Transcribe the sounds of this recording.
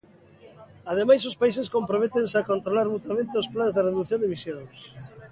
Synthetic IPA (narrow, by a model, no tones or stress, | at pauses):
að̞emajsospais̬eskompɾomet̪ensakont̪ɾolaɾmut̪amẽnt̪ɪosplanzðɪreðuθjõnd̪eβisjõŋs